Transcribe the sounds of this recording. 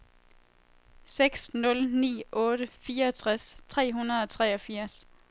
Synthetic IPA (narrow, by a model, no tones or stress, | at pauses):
seɡ̥snɔ̽lnḭːʔɔ̽ːɾ̥əfiːɐɒt͡sʰʁɛst͡sʰʁɛ̰ːɦunɐð̩ˠɒ̽t͡sʰʁɛːɒ̽fiɐ̰s